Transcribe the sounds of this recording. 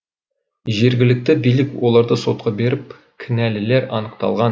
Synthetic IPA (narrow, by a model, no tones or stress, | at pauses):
ʒe̞ɾɡʲɪlɪk̚t̪ɪbijlɪkwo̞lˠɑɾd̪əso̞t̪̚qɑbeɾɪp̚ | kʲʰɪnælɪleɾɑnəq̚t̪ɑ̰lˠʁɑn